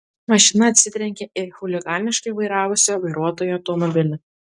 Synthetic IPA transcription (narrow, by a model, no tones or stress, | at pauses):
mɐʃʲɪnɐːt̪ʲsʲɪt̪ʲɾʲɛŋʲkʲeʔɪxʊlʲɪɡɑːlʲnʲɪʃkɐɪʋɐɪɾɑːʋʊsʲoʋɐɪɾuɔt̪oːjuɐʊt̪ɔmɔbʲɪlʲɪ